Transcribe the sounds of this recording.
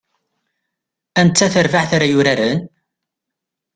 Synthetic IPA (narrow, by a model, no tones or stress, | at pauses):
ænt͡s̪t͡sːæθəɾvaʕθaɾajʊɾaɾən